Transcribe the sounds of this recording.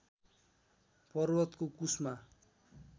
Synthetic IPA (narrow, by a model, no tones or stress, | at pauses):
pʌrwʌt̪kokusma